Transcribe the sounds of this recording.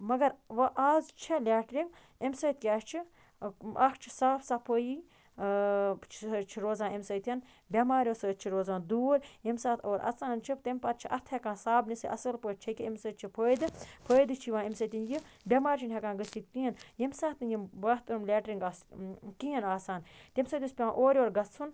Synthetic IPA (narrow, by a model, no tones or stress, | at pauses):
mɐɡɐɾʋɐʔaːzt͡ʃʰilʲaːʈɾiŋɡ | emsəːt̪̚kʲaːʃt͡ʃʰi | ɐkʰt͡ʃʰi̥saːfsapʰoːjiː | t͡ʃʰt͡ʃʰiɾoːzãːemsəːjt̪ʰʲɐn | bʲɐmaːɾʲjoːsəːt̪̚t͡ʃʰiɾoːzãːnd̪uːɾjemsaːt̪ʰoːɾɐ̰t͡saːnt͡ʃʰipt̪empɐt̪̚t͡ʃʰiʔɐt̪ʰhʲekãːsaːbnisɨʔɐ̰sɐlpəːt̪̚t͡ʃʰɐkʲiemsəːt̪̚t͡ʃʰipʰəːjd̪ɨpʰəːjd̪ɨt͡ʃʰiʋãːemsəːt̪ʲinjibʲɐmaːɾʲt͡ʃʰinɦʲekãːnɡəst̪ik̚t̪ĩːnjemsaːt̪injimbɐht̪ɨɾumlʲeːʈɾiŋɡaskiːɐnaːsaːnt̪ʲemsɐːt̪ʲisʲpʲãːʔoːɾʲoːɾɡɐt͡st͡sʰːun